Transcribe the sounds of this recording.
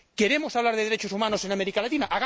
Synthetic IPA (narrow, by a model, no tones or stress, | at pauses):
keɾemosaβlaɾðeðeɾet͡ʃosumanosenameɾikalat̪inaʔaɣ